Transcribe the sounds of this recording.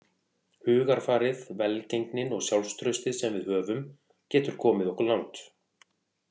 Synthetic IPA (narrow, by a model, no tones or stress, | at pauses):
hʏːɣaɾ̥faːɾɪðvɛlcejŋknɪnɔɣsjawlst̪ʰɾœɥst̪ɪðsɛmvɪðhœːvʏm | cɛːt̪ʏɾ̥kʰɔːmɪðɔhkʏɾlawnt̪